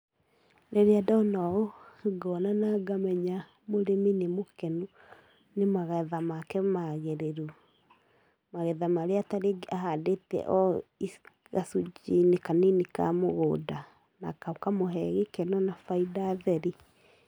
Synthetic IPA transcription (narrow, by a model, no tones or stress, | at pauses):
neɾeadɔnɔɡɔnanaɡamɛɲa | moɾeminemokenu | nemaɣɛðamakɛmaɣeɾeɾu | maɣɛðamaɾeataɾeɡaɦadetɛ̰ʔɔi | ɣasud͡ʒinekaninika̰moɣoːda | na̰kaukamoɦɛɣikɛnɔnafaidaðɛɾi